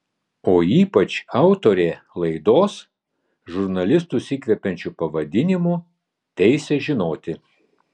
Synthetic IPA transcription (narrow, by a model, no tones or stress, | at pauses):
oːiːpɐt͡ʃɑʊt̪oːɾʲeːlˠɐɪd̪oːs | ʒʊɾnɐlʲɪst̪usʲɪkʋʲɛpʲɛnʲt͡ʃʲupɐʋɐd̪ʲɪnʲɪmu | t̪ʲɛɪsʲɛʒʲɪnoːt̪ʲɪ